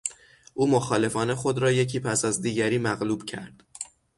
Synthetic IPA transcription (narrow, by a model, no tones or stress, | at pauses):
ʔuːmo̞xɒːle̞fɒːne̞xo̞d̪ɾɒːje̞cʰiːpʰæsæzd̪iːɟæɾiːmæɣluːb̥cʰæ̰ɾd̪̥